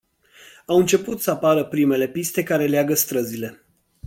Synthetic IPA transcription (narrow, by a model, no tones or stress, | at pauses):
awɨnt͡ʃe̞put̪səapaɾəpɾime̞le̞pist̪e̞kaɾe̞leaɡəst̪ɾəzile̞